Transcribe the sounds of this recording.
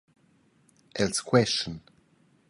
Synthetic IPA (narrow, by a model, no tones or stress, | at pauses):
ʔɛlskʰwɛst͡ʃə̃n